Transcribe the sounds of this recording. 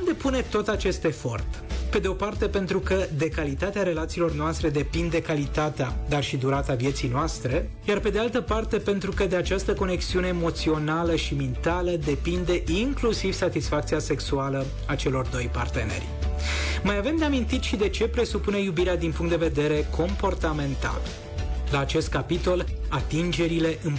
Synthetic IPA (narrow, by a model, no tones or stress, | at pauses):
umd̪e̞pune̞t̪o̞t̪at͡ʃe̞st̪e̞fo̞̰rt̪ | pe̞d̪e̞o̞part̪e̞pe̞nt̪ɾukəd̪e̞kalit̪at̪eaɾe̞lat̪siːlo̞rnoast̪ɾe̞d̪e̞pind̪e̞kalit̪at̪ead̪arʃid̪uɾat̪avje̞t̪sijnoast̪ɾe̞ | jarpe̞d̪ealt̪əpart̪e̞pe̞nt̪ɾukəd̪eat͡ʃast̪əko̞ne̞ksiuneːmo̞t̪sio̞naləʃimint̪aləd̪e̞pind̪e̞ʔiŋklusiv̥sat̪isfak̚t̪sijase̞ksualə | at͡ʃe̞lo̞rd̪o̞jpa̰rt̪e̞ne̞̰rʲ | majave̞md̪e̞amint̪it̪ʃid̪e̞t͡ʃe̞pɾe̞supune̞jubiɾead̪inpuŋkt̪d̪eve̞d̪e̞ɾe̞kʰo̞mpo̞rt̪ame̞nt̪a̰l | laːt͡ʃe̞st̪̚kapit̪o̞lat̪ind͡ʒe̞ɾile̞ʔɨn